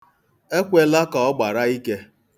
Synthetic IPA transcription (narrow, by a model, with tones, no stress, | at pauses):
e˦kʷe˦la˦kɔ˨ɔ˦ɡ͡ba˨ɾa˦i˦ke˦